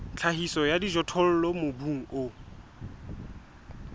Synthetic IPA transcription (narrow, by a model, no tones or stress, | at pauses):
t͡ɬʰaɦisɔjadid͡ʒɔtʰɔl̩lɔmʊbuŋ̩ʊ